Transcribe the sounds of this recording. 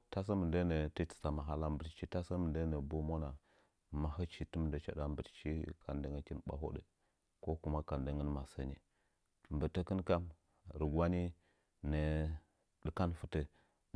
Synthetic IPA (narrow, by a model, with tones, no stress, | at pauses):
ta˦s̬ə˦mə˨ndə˦nə˨tə˦ti̥˨sa˨ma˨ɦa˦la˦mbə˨tt͡ʃi˦ta˦sa˦mə˨ndə˦nə˨bo˦mo˦na˨ | ma˨ɦə˦t͡ʃi˨tə˦m˦ndə˨t͡ʃa̰˦da˦m˦bə˨tt͡ʃi˦kʰa˨ndə˨ŋə˦kʲi˦nɓa̰˨ɦo̰˦ɗə̰˨ | ko˦ku˨ma˦ka˨ndə˨ŋə˦nma˨sə˨ni˨ | m˨bə˨tə˦kə˦nka˦m | ɾə˨ɡwa˦ni˦ | nə˨ | də˨ka˦nfə˦tə˦